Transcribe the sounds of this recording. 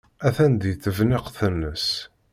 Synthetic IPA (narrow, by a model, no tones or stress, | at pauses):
æθænd̪jθəvnɪqθənːəs